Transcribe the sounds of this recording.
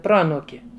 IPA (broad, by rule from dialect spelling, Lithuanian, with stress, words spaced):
ˈproːɐnuːkʲɪ